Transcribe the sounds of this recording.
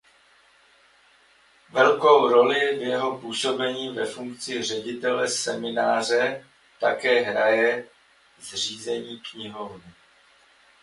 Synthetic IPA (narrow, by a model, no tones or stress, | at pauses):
vɛlko̞wɾo̞lɪvjɛɦo̞puːso̞bɛɲiːvɛfuŋk̚t͡sɪr̝ɛɟɪt̪ɛlɛsɛmɪnaːr̝ɛ | t̪akɛːɦɾajɛ | zr̝iːzɛɲiːkɲɪɦo̞vnɪ